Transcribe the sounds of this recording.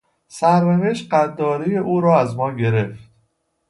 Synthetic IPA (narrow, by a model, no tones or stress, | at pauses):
sæɾneveʃt̪ɢænd̪ɒːɾejeʔuːɾɒːæzmɒːɡe̞ɾe̞ft̪